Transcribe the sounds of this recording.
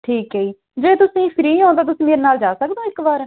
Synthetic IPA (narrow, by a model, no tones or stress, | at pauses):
ʈʰiːkɦeiː | d͡ʒeːt̪ʊsĩːpʰɪɾiːɦãːnd̪aːt̪ʊsĩːmeːɾeːnaːld͡ʒaːsəkd̪õːɪkbaːɾ